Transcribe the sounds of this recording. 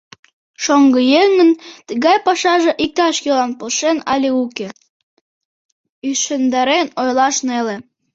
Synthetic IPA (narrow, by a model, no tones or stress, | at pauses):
ʃoŋɡəjeŋə̆nt̪əɣɑjpɑʃɑʒĕʔik̚t̪ɑʃjølɑnpolʃenɑlʲiuke | yʃɘ̆nd̪æɾenojlɑʃnelĕ